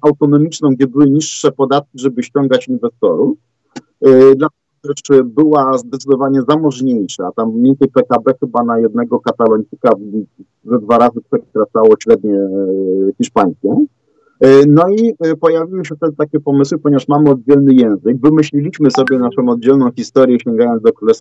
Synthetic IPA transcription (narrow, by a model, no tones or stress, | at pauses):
awt̪ɔnɔmʲit͡ʂnɔ̃w̃ɡd͡ʑɛbɘwɘɲiʂːɛpɔd̪at̪̚kʲiʐɛbɘɕt͡ɕɔŋɡat͡ɕinvɛst̪ɔɾu | d̪laɛ | ɛʂbɘwazd̪ɛt̪sɨd̪ɔvaɲɛzamɔʐɲejʂat̪amʲːent̪ʲɛjpɛkabɛxɘbanajɛd̪̚nɛɡɔkat̪alɔɲt̪sɘka | zad̪vaɾazɘkt̪ɔɕt̪ɾat̪sawɔɕɾɛd̪ɲɛ | xʲiʂpaj̃skʲɛ̃ | nɔipɔjavʲiwɘɕɛft̪ɛd̪ɘt̪akʲɛpɔmɘswɘpɔɲevaʂmamɘɔd̪̚d͡ʑɛlnɘjɛ̃w̃zɘɡvɘmɘɕlʲilʲiɕmɘsɔbʲjɛnaʂɔ̃m̃ɔd̪̚d͡ʑɛlnɔ̃w̃xʲist̪ɔɾjɛɕt͡ɕɔŋɡajɔnzd̪ɔkɾulɛst̪f